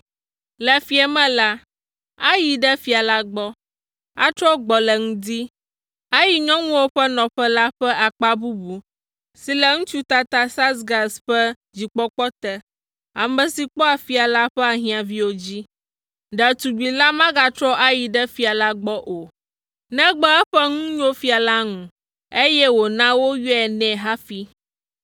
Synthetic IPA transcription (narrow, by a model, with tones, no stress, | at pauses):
lɛ˨fi˦ɛ˨mɛ̃˦la˦ | a˦ji˨ɖɛ˦fi˨a˨la˦ɡ͡bɔ˦ | a˦t͡ʃɾɔ˦ɡ͡bɔ˨lɛ˨ŋũ˦d̪i˦ | a˦ji˨ɲɔ̃˦ŋũ˦wo˦ɸɛ˦nɔ̃˨ɸɛ˦la˦ɸɛ˦ʔa˨k͡pa˦bu˦bu˨ | si˨lɛ˨ŋũ˦t͡ʃu˦t̪a˨t̪a˦sa˦sɡa˨sɸɛ˦ | d͡ʑi˨k͡pɔ˦k͡pɔ˦t̪ɛ˦ | a˨mɛ̃˨si˨k͡pɔ˦a˨fi˦a˨la˦ɸɛ˦a˨ɦĩ˨ã˨vi˦wo˨d͡ʑi˦ | ɖɛ˨t̪u˨ɡ͡bi˨la˦mã˦ɡa˨t̪ɾɔ˦ʔa˦ji˨ɖɛ˦fi˦a˨la˦ɡ͡bɔ˦ʔo˨ | nɛ̃˦ɡ͡bɛ˦ɛ˦ɸɛ˦ŋũ˦ɲõ˦fi˦a˨la˦ŋũ˨ | e˦jɛ˦wo˨nã˦wo˦ju˦ɛ˨nɛ̃˨ɦa˦fi˦